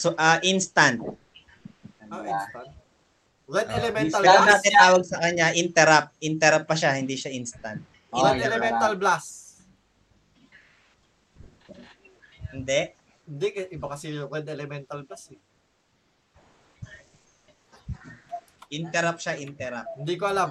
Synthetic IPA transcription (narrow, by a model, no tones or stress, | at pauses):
soʔɐʔinst̪ant̪̚ | oʔinsa | wɛd̪ɛlɛmɛnt̪ɐlpɛɾɐnaːt̪ɪnt̪aːwɐɡ̚sɐkɐɲːaʔɪnt̪ɛɾap̚ʔɪnt̪ɛɾɐpːɐʃahɪnd̪iʃaʔinst̪ɐnt̪̚ | ʔinɛlɛmɛnt̪ɐlblas | hɪnd̪ɛʔ | hɪnd̪ɛkɐʔɪbakɐsɛwɛd̪ɛlɛmɛnt̪ɐlblasɛ | ʔɪnt̪ɛɾap̚ʃaʔɪnt̪ɛɾap̚hɪnd̪iːkoɐlam